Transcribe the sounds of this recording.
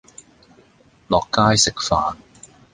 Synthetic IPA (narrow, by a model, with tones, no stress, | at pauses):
lɔː˨kːaː˥jsɪ˨k̚faː˨n